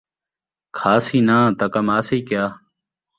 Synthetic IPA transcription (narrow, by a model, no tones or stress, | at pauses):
kʰaːsiːnãːt̪əkəmaːsiːkjaː